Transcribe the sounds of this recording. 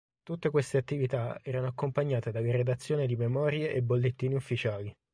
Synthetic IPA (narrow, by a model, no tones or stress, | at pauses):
t̪ut̪ːekwest̪eat̪ːivit̪aɛːɾanoakːompaɲːaːt̪ed̪alered̪at̪sːjoːned̪imemɔːɾjeʔebːolːet̪ːiːniufːit͡ʃaːli